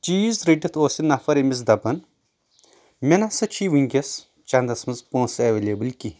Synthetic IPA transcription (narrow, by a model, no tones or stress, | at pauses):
t͡ʃiːzɾiʈit̪ʰoːsinːɐfɐɾemizd̪ɐbɐn | menasɨt͡ʃʰiːʋiŋɡʲɐs | t͡ʃɐnd̪ɐsmɐnzpõːnsɐʋeːlʲeːbɨlki